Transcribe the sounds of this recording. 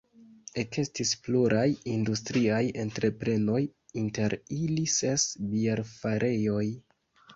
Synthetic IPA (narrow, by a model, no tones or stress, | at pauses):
e̞ke̞stispluɾʔajindustɾiaje̞ntɾe̞pɾe̞no̞jinte̞ɾilise̞sbieɾfaɾʔe̞jo̞j